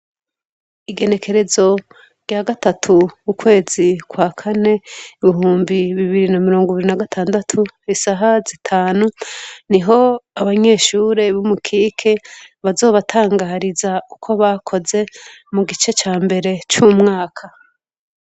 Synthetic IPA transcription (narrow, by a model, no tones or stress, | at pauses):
iɡe̞ne̞kʰe̞ɾe̞zo̞ | ɾjaɡatatʰukukwe̞ːzikwakʰane̞iβiɦuːmbiβiβiɾinamiɾo̞ːŋɡuiβiɾinaɡatʰaːndatʰuisaɦazitʰaːnuniɦo̞aβaɲe̞ːʃuːɾe̞βumukʰiːkʰeβazo̞ːβatʰaːŋɡaɾizaukʰo̞βakʰo̞ze̞muɡit͡ʃe̞t͡ʃaːmbe̞ɾe̞t͡ʃumŋaːkʰa